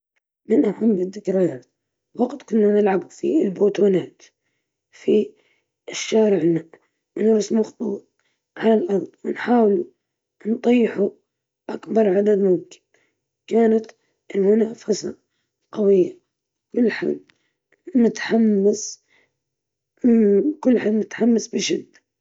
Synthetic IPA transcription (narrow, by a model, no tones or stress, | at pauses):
mɪnʔaħamːɪðːɪkɾajaːt̪ | waɡt̪kʊnːanɪlʕabufilboːt̪uːnaːt̪ | fi | ɪʃːaːɾɪʕɪnːaːʔ | wɪnɾɑsmʊxt̪ˤuːt̪̚ | ʕalalʔɑɾˤd̪ˤwɪnħaːwlu | nt̪ˤijːħu | ʔakbɑɾˤʕad̪ad̪mʊmkɪ̥n | kaːnat̪ | ɪlmʊnaːfasa | qɑwɪjːa | kʊlːħa̰d̪ | mʊt̪ḁħamːas | kʊlːħaːd̪mʊt̪ḁħamːasbɪʃɪd̪ː